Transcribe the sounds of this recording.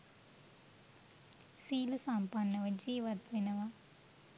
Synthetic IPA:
siːlusampanːɐʋɐd͡ʒiːʋɐt̪ʋenɐʋa

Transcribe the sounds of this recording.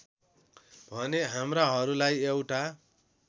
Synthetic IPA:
bʱʌneɦamraɦʌɾulajewʈa

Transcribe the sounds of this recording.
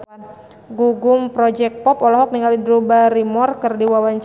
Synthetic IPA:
ɡuɡʊmpɾɔd͡ʒɛk̚pɔpɔlɔɦɔk̚niŋaldidɾubaɾimɔrkɨrdiwawaɲt͡ʃ

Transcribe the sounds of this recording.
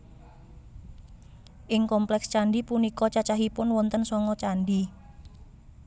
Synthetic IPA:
ʔɪŋkɔmplɛkst͡ʃaɳɖipunikɔt͡ʃat͡ʃaɦipʊnwɔnt̪ənsɔŋɔt͡ʃanɖi

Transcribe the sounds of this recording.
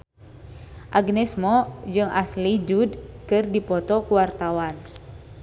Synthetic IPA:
ʔaɡnɛsmɔd͡ʒɨŋa̰slid͡ʒudkɨrdipɔt̪ɔkuwart̪awan

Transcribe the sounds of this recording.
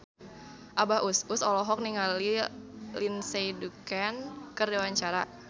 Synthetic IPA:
ʔabahususɔlɔɦɔk̚niŋalilinsejdukɛnkərdiwaɲt͡ʃaɾa̰

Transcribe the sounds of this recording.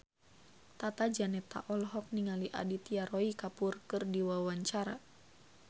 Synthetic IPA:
t̪at̪ad͡ʒanɛt̪a̰ʔɔlɦɔk̚niŋaliʔa̰dit̪iaɾɔikapurkɨrdiwawaɲt͡ʃaɾa

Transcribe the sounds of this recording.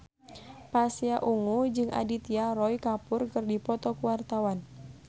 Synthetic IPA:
pasiaʔuŋud͡ʒɨŋʔa̰dit̪iaɾɔikapʊrkɨrdipɔt̪ɔkuwart̪awan

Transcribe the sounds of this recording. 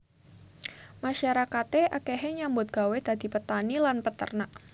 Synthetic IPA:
maʃaɾakat̪eʔakeɦeɲambʊt̪̚ɡ̥a̤wed̪̥ad̪̥i̤pət̪anilanpət̪ə̰rnaʔ

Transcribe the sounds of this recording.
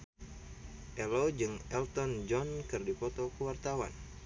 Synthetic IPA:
ʔɛlod͡ʒɨŋɛlt̪ɔnd͡ʒɔnkɨrdipɔt̪ɔkəwart̪awan

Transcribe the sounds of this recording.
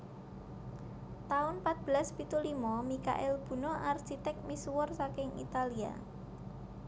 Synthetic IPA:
t̪aʊnpat̪̚b̥əlaspit̪ulimɔmika̰ʔɛlb̥ṳnɔarʃit̪ɛk̚miswʊrsakɪŋḭt̪alia̰

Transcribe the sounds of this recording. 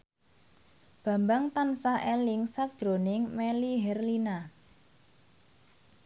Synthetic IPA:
b̥ä̤mbaŋt̪ansaʔelɪŋsak̚d̥ʒ̥ɾonɪŋmɛliɦɛrlina

